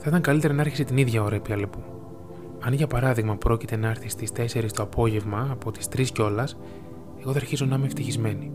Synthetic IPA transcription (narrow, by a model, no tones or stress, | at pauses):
θɐit̪ɐŋkɐlit̪e̞ɾɐnɐɐɾçiset̪iniðʝɐo̞ɾɐepiɐlepu | ɐnʝɐpɐɾɐðiɣmɐpɾo̞cit̪e̞nɐɐɾθist̪ist̪e̞se̞ɾist̪o̞ɐpo̞ʝe̞vmɐːpo̞t̪i̥st̪ɾisceo̞lɐs | e̞ɣo̞ðeɐɾçizo̞nɐimeft̪içizme̞ni